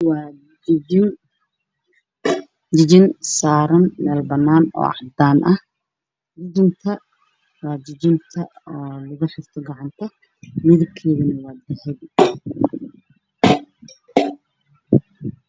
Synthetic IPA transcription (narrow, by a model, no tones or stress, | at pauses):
wɑː | ɪn | d͡ʒɪd͡ʒɪnsaːɾɐnmɛːlbɐnːaːnɔ̰ːɑ̰ʕd̪aːnʔɐh | d͡ʒɪd͡ʒɪnt̪ʰɐ | wɑːd͡ʒɪd͡ʒɪnt̪ʰɐɔːlɐɣʊħɪrt̪ʰɔɡɑʕɑnt̪ʰɐ | mɪðɐb̚kʰɛːɣɐnɐwɑːd̪ɐħɛj